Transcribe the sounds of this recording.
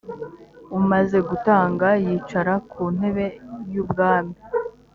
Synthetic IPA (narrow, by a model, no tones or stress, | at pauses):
umaze̞ɡutaːŋɡajiːt͡ʃaɾakuːn̥e̞βe̞juːb̚ɡaːmi